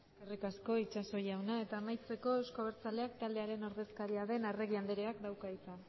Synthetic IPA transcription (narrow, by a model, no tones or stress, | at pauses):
skerikasko̞it͡ʃaso̞jawnae̞t̪aːmajt͡se̞ko̞ewsko̞βeɾt͡sale̞akt̪ald̪eaɾe̞noɾðe̞skaɾiaðe̞nare̞ɣiand̪eɾeakd̪awkait͡san